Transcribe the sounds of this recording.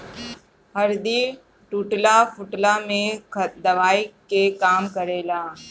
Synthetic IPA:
həɾd̪i | ʈuːʈlapʰʊʈlamẽd̪ɐʋaːikekaːmkəɾeːlaː

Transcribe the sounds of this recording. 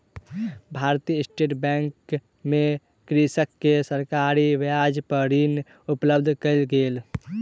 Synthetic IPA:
bʱaɾt̪ijəsʈeʈbɛŋk | me | kɾisəkːesəɾkaɾiʋjad͡ʒpəɾin | upləbd̪ʱkəɪlɡel

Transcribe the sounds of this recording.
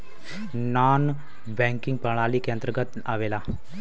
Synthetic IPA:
naːn | bɛ̃ːŋkɪ̃ŋɡpəɽ̃aːliːkend̪ɾəɡət̪ | aːʋeːlaː

